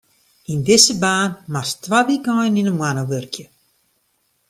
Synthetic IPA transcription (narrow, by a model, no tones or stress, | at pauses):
indɪsəbaːnmastwaʋikɔjninəmwanəʋørkjə